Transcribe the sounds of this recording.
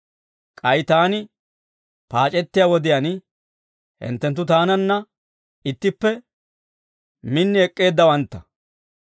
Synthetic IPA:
kʼɐjt̪aːnɪ | paːt͡ʃʼɛt̪ːɪjawɔd̪ɪjɐn | hɪ̰nt̪ːɛnt̪ːʊt̪aːnɐnːɐ | ɪt̪ːɪpːɛ | mɪnːɪɛkʼːe̞ːd̪ːɐwɐnt̪ːɐ

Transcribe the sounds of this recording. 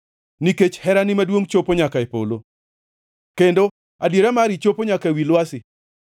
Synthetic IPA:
niket͡ʃhɛɾanɪmadwoŋt͡ʃopoɲakaepo̰lo | kendo | adjeɾamaɾit͡ʃopoɲakaewilwasɪ

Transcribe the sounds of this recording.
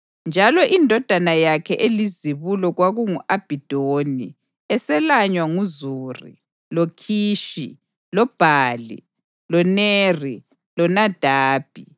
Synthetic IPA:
nd͡ʒʱalɔʔindʱɔd̥ʱanajakʰɛʔeliziβulɔɣwaɣuŋuʔab̥ʱid̥ʱoːni | ɛsɛlaɲwaŋuzuːrḭ | lokʰiːʃi | lɔb̥ʱaːlḭ | lɔneri | lɔnad̥ʱaːb̥ʱi

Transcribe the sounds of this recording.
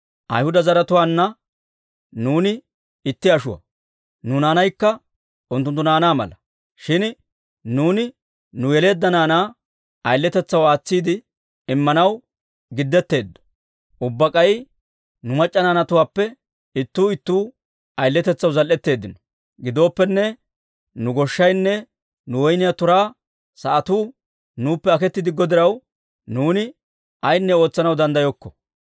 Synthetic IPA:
ʔɐ̰jhʊd̪ɐzɐɾɐt̪ʊwaːnːɐ | nuːnɪ | ɪt̪ːɪɐʃʊwɐ̰ | nʊnaːnɐjkːɐ | ʊnt̪ːʊnt̪ːʊnaːnaːmɐ̰lɐ | ʃɪn | nuːnɪ | nʊjɛle̞ːd̪ːɐnaːnaː | ɐjlːɛt̪ɛt͡sːɐwaːt͡sːiːd̪ɪ | ɪmːɐnɐw | ɡɪd̪ːɛt̪ːe̞ːd̪ːɔ̥ | ʔʊbːɐkʼɐj | nʊmɐt͡ʃʼːɐnaːnɐt̪ʊwaːpːɛ | ɪt̪ːuːɪt̪ːuː | ɐjlːɛt̪ɛt͡sːɐwzɐlʔɛt̪ːe̞ːd̪ːɪnɔ̥ | ɡɪd̪o̞ːpːɛnːɛ | nʊɡɔʃːɐjnːɛ | nʊwɔjnɪjat̪ʊɾaː | sɐʔɐt̪uː | nuːpːɛɐkɛt̪ːɪd̪ɪɡɔd̪ɪɾɐw | nuːnɪ | ɐjnːɛo̞ːt͡sːɐnɐwd̪ɐnd̪ɐjɔkːɔ̥

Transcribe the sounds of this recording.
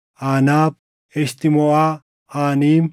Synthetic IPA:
ʔaːnaːb̚ | ɛʃt̪ɪmɔʔaː | aːniːm

